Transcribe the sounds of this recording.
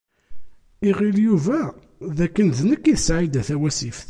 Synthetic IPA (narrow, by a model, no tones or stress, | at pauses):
iʁiljuvæ | ðækːənðnəkːiðsʕid̪æθæwæsifθ